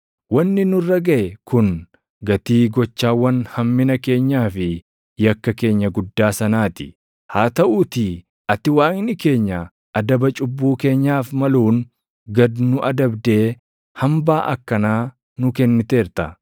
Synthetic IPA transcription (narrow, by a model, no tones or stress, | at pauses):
wɐnːɪnʊrːɐɡɐʔɛkʊn | ɡɐt̪iːɡɔt͡ʃːaːwːɐnhɐmːɪnɐke̞ːɲːaːfɪ | jɐkːɐke̞ːɲːɐɡʊd̪ːaːsɐnaːt̪ɪ̥ | haːt̪ɐʔuːt̪ɪ | ʔɐt̪ːɪwaːŋnɪke̞ːɲːɐ | ʔɐd̪ɐbɐt͡ʃʼʊbːuːke̞ːɲːaːfmɐluːn | ɡɐd̪nʊʔɐd̪ɐbd̪e̞ː | hɐmbaːʔɐ̰kːɐnaː | nʊkɛnːɪt̪e̞ːɾt̪ɐ